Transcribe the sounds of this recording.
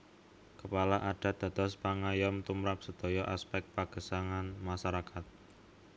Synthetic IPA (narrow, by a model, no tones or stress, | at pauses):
kəpalaʔaɖ̥a̤d̪̥a̤t̪ɔspaŋajɔmt̪umɾap̚səd̪̥ɔ̤jɔʔaspɛk̚t̪̚paɡ̥ə̤saŋanmaʃaɾakat̪̚